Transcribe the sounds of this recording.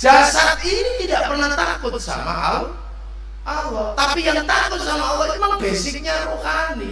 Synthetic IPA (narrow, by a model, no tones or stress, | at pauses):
d͡ʒ̥asat̪̚init̪idaʔpərnaht̪akʊt̪̚sa̰ma̰ʔa̰u | ʔawɔt̪apijaŋt̪akʊt̪̚samaawimaŋb̥esɪk̚ɲaruhani